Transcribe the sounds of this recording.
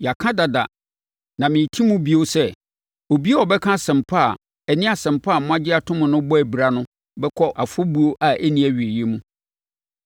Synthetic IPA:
ja˨kʰã˦da˨da̰˨ | nã˨mɪ̃˨tʰi˦mũ˦bi˦o˦sɛ˦ | o˨bi˦e˦ɔ˨bɛ˦kʰã˦sɛ̃˨mpʰa˦˨ | ɛ˨nɪ̃˦a˨sɛ̃˨m˨pʰa˦˨mʊ̃˦ã˦d͡ʑɪ˦a˨tʰʊ̃˦mʊ̃˨nʊ̃˦bɔ˦æ˨bi˨ɾa˨nʊ̃˦ | bɛ˦kʰɔ˦ʔa˨fʊ˦bu˦o˦ʔa˨ʔæ˦nĩ˦æ˨ɥi˨e˨je˦mũ˦

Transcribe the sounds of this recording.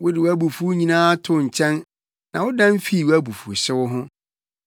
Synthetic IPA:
wʊ˦dɪ˨wu˦æ˦bu˨fu˦ɲĩ˦nãː˦tʰʊ˦˨ɲ̩˨t͡ɕʰɛ̃˦n | nã˨wʊ˦dã˦m˦fi˦˨wæ˦bu˨fṵ˨ɕɪ˦wʊ˦ɦʊ̃˦

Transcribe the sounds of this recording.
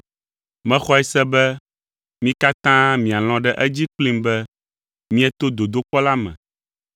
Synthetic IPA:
mɛ̃˦xɔ˦ɛ˨sɛ˦bɛ˦ | mĩ˦ka˦t̪ã˦mĩ˨a˨l̃ɔ̃˦ɖɛ˦ʔɛ˦d͡ʑi˦k͡plĩ˦mbɛ˦ | mĩ˦ɛ˦t̪o˦d̪o˨d̪o˦k͡pɔ˦la˦mɛ̰̃˨

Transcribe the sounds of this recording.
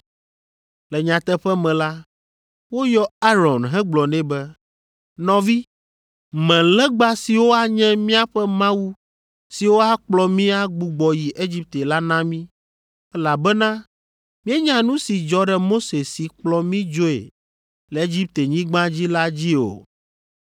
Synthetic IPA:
lɛ˨ɲã˨t̪ɛ˦ɸɛ˦mɛ̃˨la˦ | wo˦jɔ˦a˦ɾɔ˨nɦɛ̃˦ɡ͡blɔ˨nɛ̃˦bɛ˦ | nɔ̃˨vi˦ | mɛ̃˨lɛ˦ɡ͡ba˦si˨wo˦a˦ɲɛ̃˦mĩ˦a˦ɸɛ˦mã˦wu˦ | si˨wo˦a˦k͡plɔ˨mĩ˦a˦ɡ͡bu˨ɡ͡bɔ˨ji˨ʔe˦d͡ʑi˦p̚t̪e˨la˦nã˦mĩ˦ | ɛ˦la˨bɛ˦nã˦ | mĩ˦e˦ɲã˨nũ˦si˨d͡ʒɔ˨ɖɛ˨mo˦se˨si˨k͡plɔ˨mĩ˦d͡ʒo˦ḛ˨ | lɛ˨e˦d͡ʑi˦p̚t̪e˨ɲĩ˦ɡ͡bã˦d͡ʑi˦la˦d͡ʑi˦o̰˨

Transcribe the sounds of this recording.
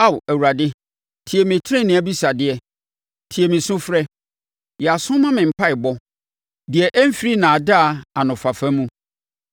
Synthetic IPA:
a˦˨wæ˨wu˨ɾa˨dɪ˦ | tʰi˨ɛ˨mɪ̃˨tʰɪ˦ɾɛ̃˦˨nɪ̃˨a˦bi˦sa˨dɪ˦ɛ˨ | tʰi˨ɛ˨mɪ̃˨sʊ̃˦fɾɛ˦ | jɛ˨a˨sʊ̃˦mã˦mɪ̃˨m̩˨pʰa˦ɪ˨bɔ˦ | dɪ˨ɛ˨ʔɛ˦m̩˦fi˦ɾi˦nã˨da˦a˨a˨nʊ̃˨fa˨fɛ̃˦mũ˦

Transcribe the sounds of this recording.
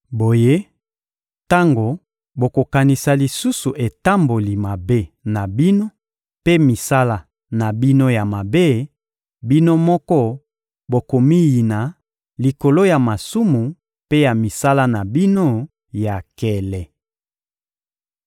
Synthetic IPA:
bo˨je˦ | ta˦ŋɡo˨ | bo˨ko˨ka˨ni˨sa˨li˨su˦su˨ʔe˨ta˦mbo˨li˨ma˨be˦na˨bi˦no˦ | pe˦mi˨sa˦la˦ | na˨bi˦no˦ja˨ma˨be˦ | bi˦no˦mɔ˦kɔ˦ | bo˨ko˨mi˦ji˨na˨ | li˨ko˨lo˦ja˨ma˨su˦mu˨ | pe˦ja˨mi˨sa˦la˦na˨bi˦no˦ | ja˨kɛ˨lɛ˨

